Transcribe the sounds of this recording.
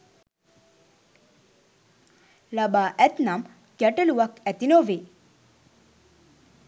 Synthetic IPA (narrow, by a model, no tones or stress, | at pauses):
labaːʔæt̪nam | kjæʈəluʋakæt̪inoːʋe